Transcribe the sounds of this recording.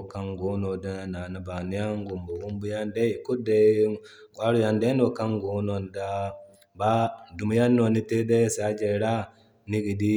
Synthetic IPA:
ka˦ŋɡu˨˦no˨da˦na˨na˦ba˨ni˦ja˦ŋɡu˨mbu˨ɡu˦mbu˦ja˦nde˦i˨ku˦de˨˦ | ɡwa˦ɾu˦ja˨nde˦no˨ka˦ŋɡu˨˦no˨nda˦ | ba˦du˨mu˦ja˦nːo˨ni˦te˦de˦sa˨˦d͡ʒe˨ɾa˦ | ni˦ki˨di˦

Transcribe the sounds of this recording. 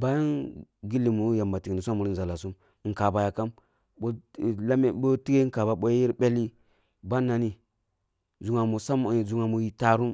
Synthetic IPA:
ba˦ji˦n | ɡi˦li˨mu˨˦ja˨mba˨ti˨kni˨s̬ʷa˦mu˨ɾi˦nza˨la˨su˦m˨ | ŋ̩˨ka˨ba˨ja˨ka˦m | ɓo˦˨la˦me˦ɓo˦ti˦ɡe˦ŋ˦ka˨ba˨ɓo˦jji˦ɾbe˦li˦ | ba˦nːa˨ni˨ | zu˨ŋa˨mu˨sa˦m˨zu˨ŋa˨mu˨ji˨ta˨ɾu˦m

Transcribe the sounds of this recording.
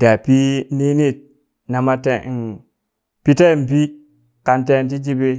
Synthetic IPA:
da˨pi˦ni˦ni˦˨t̚ | na˨ma˦te˨i˨ | pi˦te˦˨bi˦ | ka˨nte˦˨nt̬i˦d͡ʒi˦be˦

